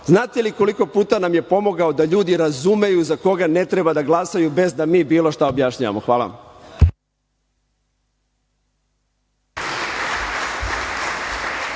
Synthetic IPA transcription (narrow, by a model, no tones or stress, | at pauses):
znaːt̪eliko̞liko̞puːt̪anamje̞po̞mo̞ɡao̞d̪aʎuːd̪iɾazume̞juzako̞ɡane̞t̪ɾebad̪aɡlˠasajube̞zd̪amiːbiːlo̞ʃt̪aobjaʃɲaʋa̰mo̞xʋaːla̰a̰m